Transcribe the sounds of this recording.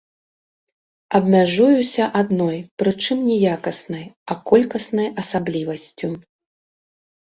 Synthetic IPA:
ɐbmʲaʐujusʲɐʔad̪nɔjpɾɨt͡ʂɨmnʲɛjakɐsnɐjɐkɔlʲkɐsnɐjɐsablʲivɐsʲt͡sʲu

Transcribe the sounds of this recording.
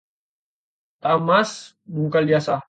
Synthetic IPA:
t̪amas | muŋkaliasa

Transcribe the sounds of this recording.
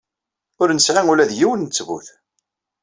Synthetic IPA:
ʊɾnəslæŋʊlæðjiwənːət͡sːvṵθ

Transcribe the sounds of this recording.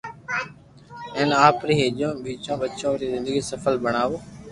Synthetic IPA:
ẽːnaːpɾiːɦeːʄõːɓiːt͡ʃõːɓət͡ʃõːɾiːzɪ̃nd̪əɡiːsəfəlbəɳ̃aːʋoː

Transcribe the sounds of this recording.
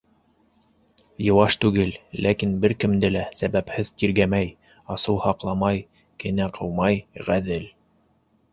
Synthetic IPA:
jɤ̆wɑʃt̪ʉɡɘlːækinbɘɾkɘ̆md̪ɘlæsæβæphɘðt̪iɾɡæmæj | ɑsɤw̪ˠhɑqlˠɑmɑj | kɘ̆næqʰɤ̆wmɑjʁæðɘl

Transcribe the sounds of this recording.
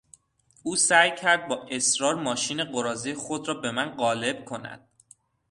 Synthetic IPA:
ʔuːsæjcʰæɾd̪̚bɒːʔe̞sɾɒːɾmɒːʃiːne̞ɢoɾɒːzijxod̪ɾɒːbe̞mænɢɒːle̞b̥̚kʰo̞næ̰d̪̥̚

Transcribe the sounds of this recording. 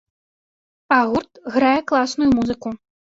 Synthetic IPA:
paɣurt̪ɣɾajɛklˠasnujumuzɨku

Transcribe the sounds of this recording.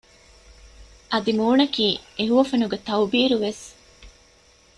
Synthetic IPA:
ʔɐd̪imuːnɐkiːeɦuʋɐfenuɡet̪ɐwbiːɾuʋes

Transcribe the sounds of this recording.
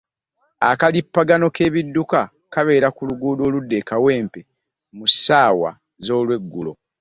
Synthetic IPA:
a̰kalipːaɡano̞ke̞βidːuka | kaβe̞ːɾakuluɡuːdo̞ːludːekawe̞ːmpe | musaːwa̰ | zo̞ːlwe̞ɡːulo̞̰

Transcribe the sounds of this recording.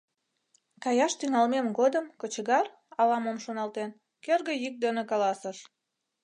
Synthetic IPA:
kɑjɑʃt̪yŋɑlmemɡod̪əmkət͡ɕəɣɑr | ɑlɑmomʃonɑlt̪en | kerɣə̆jik̚d̪enəkɑlɑsəʃ

